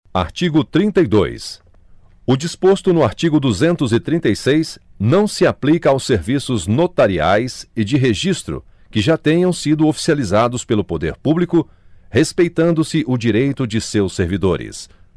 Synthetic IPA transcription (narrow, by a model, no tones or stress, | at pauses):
a̰ɾt͡ʃiɡʊt̪ɾĩnt̪ɐjd̪o̰js | ʊd͡ʒispost̪ʊnʊaɾt͡ʃiɡʊd̪uzẽnt̪ʊzɪt̪ɾĩnt̪ejsejsnɐ̃w̃sɪaplikɐawseɾvisʊznot̪aɾia̰jsɪd͡ʒɪɦeʒist̪ɾʊ̰ | kɪʒat̪ẽɲɐ̃w̃sid̪ʊofi̥sializad̪ʊspelʊpod̪ḛɾpublikʊ | hespejt̪ɐ̃nd̪ʊsɪʔʊd͡ʒiɾejt̪ʊd͡ʒɪsewseɾvid̪oɾɪ̰s